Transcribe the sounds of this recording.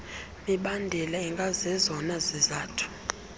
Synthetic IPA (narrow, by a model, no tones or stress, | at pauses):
miɓandʱɛlaɛŋɡʱʼazɛzɔnazɛzaːtʰu̥